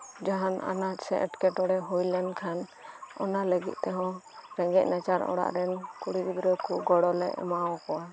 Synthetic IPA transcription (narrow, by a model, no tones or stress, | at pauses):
d͡ʒaɦana̰nat̪sɛʔɛ̰ʈkɛʈɔɽɛɦujlɛnkʰanɔnaləɡḭt̪̚ˀt̪ɛɦɔ̃ | ɾɛŋɡɛc̚nat͡ʃaɾɔ̰ɽa̰ʔɾɛnkuɽibid̪ɾɔkʰuɡɔɽɔlɛ̰ʔɛ̰mawɔ̃kɔwa